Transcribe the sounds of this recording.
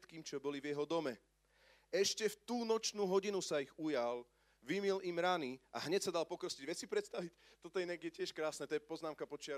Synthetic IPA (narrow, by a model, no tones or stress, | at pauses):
t̪kiːmt͡ʃɔbɔlivjɛɦɔd̪ɔmɛ | ɛʃcɛft̪uːnɔt͡ʃnuːɦɔɟinusaiɣujal | ʋimilimɾaniʔa̰ɦɲɛcsad̪alpɔkɾɔsciɟʋjɛsipɾɛt̪st̪aʋict̪ɔt̪ɔɛnɛɡjɛcɪɛʃkɾaːsnɛt̪ɔjɛpɔznaːmkapɔt͡ʃɪa